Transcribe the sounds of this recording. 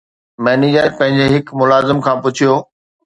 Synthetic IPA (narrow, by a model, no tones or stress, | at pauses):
mɛːniːd͡ʑəpɐ̃ɦɪ̃ɲd͡ʑeɦɪkmʊlaːzɪmkʰãːpʊt͡ɕʰijoː